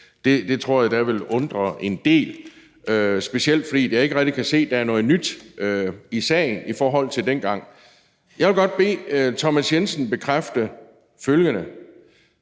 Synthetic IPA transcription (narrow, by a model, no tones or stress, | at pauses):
d̥e̝d̥e̝t͡sʰʁo̝ɐ̰jɑ̈d̥æʋe̝lɔ̽nd̥ʁɐʔe̝nd̥e̝̰ːl | øsb̥e̝siel̰d̥fɒ̽d̥ḭːdjɑ̈e̝ɡ̥əʁɛɡ̥̚d̥ikʰæse̝̰ːd̥ææɐnɔ̽ːð̩ˠnyd̥ʔøisɛ̰ːɪn̩ifɒːɦɒ̽l̰t͡sʰe̝ldenɡ̥ɑ̈ŋ̰ | jɑ̈ɪʋelɡ̥ɒ̽d̥̚b̥e̝̰ːt͡sʰɒ̽mæsjensən̩b̥e̝kʰʁafd̥ə | føljənə